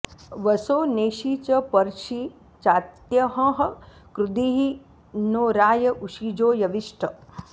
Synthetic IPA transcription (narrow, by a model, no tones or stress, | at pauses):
ʋɐsoːneːʃit͡ʃɐpɐɾʃi | t͡ʃaːt̪jɐɦɐ̃ɦɐ̆kɾud̪iɦi | noːɾaːjɐʔuʃid͡ʒoːjɐʋiʂʈʰɐ